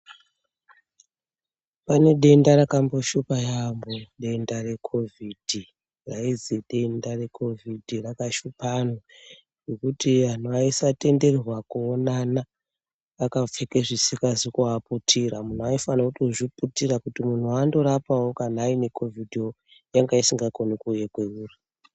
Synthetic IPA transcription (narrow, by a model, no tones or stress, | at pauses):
pane̞ɗe̞ndaɾakambo̞ʃupajamboɗe̞ndare̞kʰo̞vid̥ʱi | raiziɗe̞ndare̞kʰo̞vʱidʱirakaʃupanwa | ŋɡekutian̤uaisate̞nde̞rrwakuːnanaː | kap͡fekeʐisikazikuaputʰiɾamun̤uaifanautoʐiputirakutimun̤uando̞ɾapawokanaːine̞kʰo̞vʱidʱio | jaŋɡaisiŋɡakonikujekweuːri